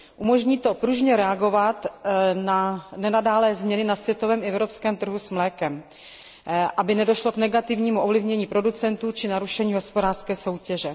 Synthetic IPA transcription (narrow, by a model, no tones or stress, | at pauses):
ʔumo̞ʒɲiːt̪o̞pɾuʒɲɛɾɛaɡo̞vat̪nanɛnadaːlɛːzmɲɛnɪnasvjɛt̪ovɛːmʔɛvɾopskɛːmt̪r̩ɦusmlɛːkɛm | ʔabɪnɛdo̞ʃlo̞knɛɡat̪ɪvɲiːmuʔovlɪvɲɛɲiːpɾo̞dut͡sɛnt̪uːt͡ʃɪnaɾuʃɛɲiːɦo̞spodaːr̥skɛːso̞wcɛʒɛ